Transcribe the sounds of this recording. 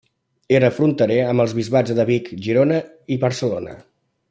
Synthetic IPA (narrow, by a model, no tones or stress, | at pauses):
eɾəfɾunt̪əɾeəməlˠzβizβad͡zðəβikʒiɾonə | iβəɾsəlonə̰